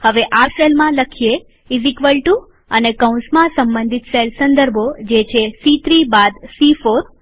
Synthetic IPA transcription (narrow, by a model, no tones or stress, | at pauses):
həʋeʔaselmãləkʰije | izikʋəlʈũ | ənekəũsmãsəmbə̃nd̪ʱit̪selsənd̪əɾbʱod͡ʒet͡ʃʰesit̪ɾibad̪sifoɾ